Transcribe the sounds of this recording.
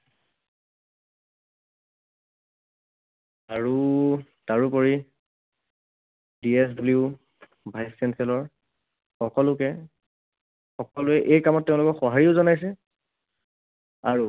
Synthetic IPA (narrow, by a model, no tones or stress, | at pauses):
aɹu | taɹupɔɹi | diɛsbbliu | bʱajsːɛnsʰɛlɔɹ | xɔkɔlʊkɛ | xɔkɔlʊɛʔejkamɔt̚ːɛʊ̃lʊkɔxɔɦaɹiʊzɔnajs̬ɛ | aɹu